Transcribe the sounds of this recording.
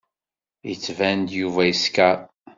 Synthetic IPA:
jət͡sːvænd̪juvæjiskæɾ

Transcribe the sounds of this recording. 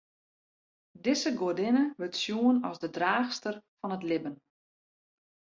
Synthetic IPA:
dɪsəɡoədɪnəʋøtsjuənɔsdədraːxstərfɔnətlɪbən

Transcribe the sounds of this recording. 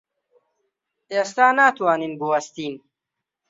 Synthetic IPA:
eːst̪aːnaːt̪waːninbuwɐst̪iːn

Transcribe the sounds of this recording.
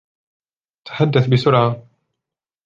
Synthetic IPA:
t̪ʰḁħad̪ːaθbɪsʊɾʕa

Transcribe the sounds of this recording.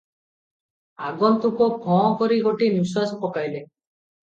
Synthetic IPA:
aɡɔnt̪ukɔkʰɔ̃kɔɾiɡoʈiniswasɔpɔkajle

